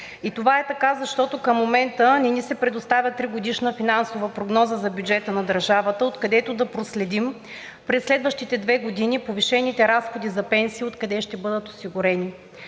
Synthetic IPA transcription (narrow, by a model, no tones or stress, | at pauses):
it̪ovaɛt̪ɐkazɐʃt̪ɔt̪okəmːomɛnt̪ənɛnisɛpɾɛd̪ost̪avʲjət̪ɾiɡod̪iʃnəfinansovəpɾoɡnɔzəzɐbʲjud͡ʒɛt̪ənɐd̪əɾʒavət̪əot̪kɐd̪ɛt̪od̪ɐpɾoslɛd̪im | pɾɛsːlɛd̪vəʃt̪it̪ɛd̪vɛɡod̪inipoviʃɛnit̪ɛɾasxod̪izɐpɛnsiːot̪kɐd̪ɛʃt̪ɛbɤd̪ət̪osiɡʊɾɛni